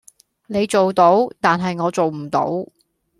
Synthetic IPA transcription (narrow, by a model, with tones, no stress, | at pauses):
ne˨˧jt͡so˨wt̪o˨˥wt̪aː˨nɦɐ˨jŋɔː˨˧t͡so˨wm̩˨˩t̪o̰˨˥w